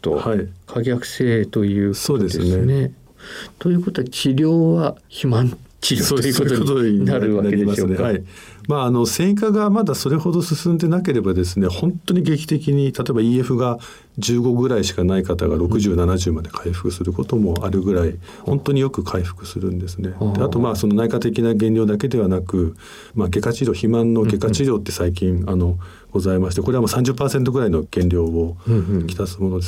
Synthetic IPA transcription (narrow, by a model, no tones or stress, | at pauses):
t̪o̰haikʰaɡʲakɯ̟̥seːt̪o̞jɯ̟ːso̞ːdd̪e̞sɨnene | t̪ojɯ̟ːko̞t̪oat͡ɕiɾʲo̞ːβaçimãnt͡ɕisoːd̪oot̪oɲiaɾɯanaeɾimasɨnehai | maːno̞sẽ̞ŋk̬aɡamad̪aso̞ɾe̞ho̞d̪o̞sɨsɨ̃nd̪e̞nake̞ɾe̞bad̪e̞s̬ɨne̞hõ̞nt̪o̞ɲ̟iɡe̞kʲi̥t̪e̞kʲiɲ̟it̪ʰat̪o̞e̞baiːe̞ɸɯ̟ɡa | d͡ʑɨːɡo̞ɡɯ̟ɾaiɕi̥kanaikat̪aɡaɾo̞kɯ̟ʑɨːnanaʑɨːmad̪e̞kʰaiɸɯ̟̥kɯ̟sɨɾɯ̟ko̞t̪o̞mo̞aɾɯ̟ɡɯ̟ɾai | hõ̞nt̪oɲ̟ijo̞kɯ̟kʰaiɸɯ̟̥kɯ̟̥sɨɾɯ̟̃nd̪e̞sɨne̞d̪̥eat̪o̞maːso̞no̞naikat̪e̞kʲinaɡẽ̞nʲɾʲo̞ːd̪ake̞d̪e̞βanakɯ̟ | maɡe̞kat͡ɕiɾʲo̞ːçimãnːo̞ɡe̞kat͡ɕiɾʲo̞ːt̪ːe̞̥saik̬ʲĩŋano̞ | ɡ̥o̞zaimaɕi̥t̪e̞koeamoːsãɲd͡ʑɨpːaːsent̪̬o̞ɡɯ̟ɾaino̞ɡ̥ẽ̞nɾʲo̞ːokʲi̥t̪asɨmo̞no̞d̪e